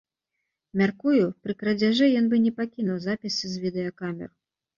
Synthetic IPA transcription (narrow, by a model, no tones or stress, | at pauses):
mʲarkujupɾɨkɾɐd͡zʲaʐɛjɔnbɨnʲɛpakʲinuwzapʲisɨzʲvʲid̪ɛjɐkamʲɛ̰r